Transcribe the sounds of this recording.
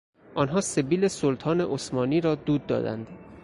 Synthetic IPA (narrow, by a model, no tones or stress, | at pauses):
ʔɒːnɦɒːsebiːlesolt̪ʰɒːne̞ʔosmɒːniːɾɒːd̪uːd̪ːɒ̰ːd̪æ̰nd̪